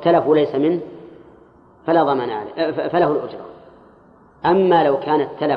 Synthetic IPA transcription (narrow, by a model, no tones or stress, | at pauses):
t̪ːalafwalajsamɪnh | falaːðˤɑmaːnaʕa̰la̰falahʊlʔʊd͡ʒɾˤɑ̰ | ʔamːaːlawkʰaːnat̪ʰːala